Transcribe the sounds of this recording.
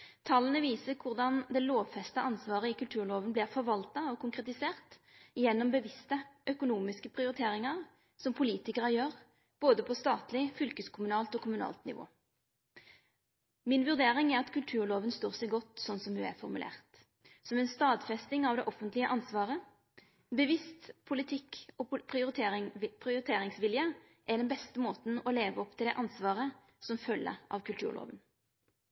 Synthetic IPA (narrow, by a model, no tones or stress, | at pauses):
t̪ʰɑlːənəʋiːsəkʰʊʁd̪ɑnd̪ɛloːʋfɛst̪əʔɑnsʋɑːʁəɪkʉlt̪ʰʉːʁɭoːʋənblɪːʁfɔɾʋɑlt̪ɑɔkʰʊŋkʁɛt̪ɪseːʁt̪ɪjɛnːɔmbəʋɪst̪əʔœkʊnuːmɪskəpʰʁɪʊɾɪt̪ʰeːɾɪŋɑʁ | sɔmpʰʊliːt̪ɪkəʁəjøːʁ | b̥oːd̪əpʰɔst̪ɑːt̪lɪfʏlkəskʰʊmʉnɑːlt̪ɔkʰʊmʉnɑ̰ːlt̪nɪ̰ʋo̰ː | mɪnʋʉʁd̪eːʁɪŋɛɾɑt̪kʰʉlt̪ʰʉːʁɭoːʋənst̪oːʁsɛɪɡɔt̪ːsɔnːsɔmhʉæ̰fɔʁmʉ̰lḛːʁt̪ | sɔmɛnst̪ɑːd̪fɛst̪ɪŋɑʋd̪ɛʔɔfːənt̪lɪəʔɑnsʋɑːʁə | bəʋɪst̪pʰʊlɪt̪ʰɪkːɔpʰʁɪʊʁɪt̪ʰpʰʁɪʊʁɪt̪ʰeːɾɪŋsʋɪljə | ʔɛd̪ɛnbɛst̪əmoːt̪n̩ɔleːʋəɔpt̪ʰɪlɛʔɑnsʋɑːʁə | sɔmfœlːə̰ʁɑ̰ʋkʉlt̪ʰʉ̰ːʁlo̰ːʋən